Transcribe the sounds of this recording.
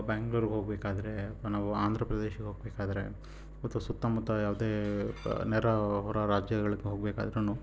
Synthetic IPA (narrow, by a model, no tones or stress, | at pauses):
baːŋɡɭuɾɡeɦoːɡbeːkaːd̪ɐɾenaːʋuaːnd̪ʱɾɐpɾɐd̪eʃɐɡeɦoːɡ̚beːkaːd̪ɐɾe | ɔt̪ʋɐsut̪ːaːmɐt̪ːɐjaːʋɐd̪eː | nɛɾɐɦɔɾɐɾaːd͡ʒjɐɡɐɭiɡːeɦoɡ̚beːka̰ːd̪ɐɾenuː